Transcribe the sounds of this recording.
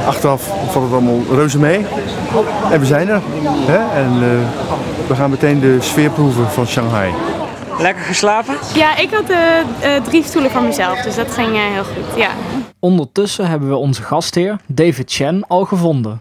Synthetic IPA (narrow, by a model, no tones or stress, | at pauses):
ʔɑχtərɑf | fɑtˠətɑlˠmɑlˠrøwzəmej | ɛnʋəzɛjnəɹ | ɦɛɛn | ʋəχaːnmətejndəsfɪːɹpruvəvɑnʃɑŋɦɑj | lɛkəɹχəslaːvəjaɪkɦɑt̚dədrifstuləvɑnməzɛlˠfdɵsdɑtχɪŋəɦɪːlˠχutja̰ɔndəɹtɵsəɦɛbənʋəɔnzəχɑstɦɪːɹdejvɪtʃɛnɑlˠχəvɔndə